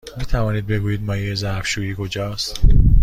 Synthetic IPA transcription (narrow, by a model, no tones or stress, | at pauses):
miːt̪ʰævɒːniːd̪̚be̞ɡuːjiːd̪̚mɒːjijezæfʃuːiːkʰo̞d͡ʒɒːst̪